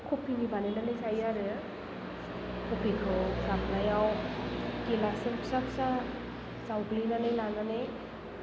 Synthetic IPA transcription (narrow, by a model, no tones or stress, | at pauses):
kʰopʰinibanenanajsajaɾɯ | kʰɔpʰikʰɯwɾamlajaw | kelasɯmsapsa | sawɡlinanajlananej